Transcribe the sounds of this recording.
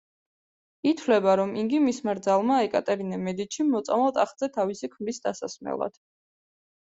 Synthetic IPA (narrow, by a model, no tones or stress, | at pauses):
it̪ʰvlɛbaɾɔmiŋɡimismaɾd̪zalˠmaɛkʼat̪ʼɛɾinɛmɛd̪it͡ʃʰimɔt̪sʼa̰malˠt̪ʼaχd̪zɛt̪ʰavisikʰmɾisd̪asasmɛ̰lˠa̰d̪̥